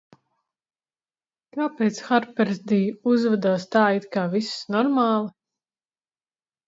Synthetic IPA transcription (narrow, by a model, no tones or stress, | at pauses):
kaːpɛːt̪sxaɾpɛɾzd̪ijuzvad̪aːst̪aːit̪kaːvissnɔɾmaːlˠɨ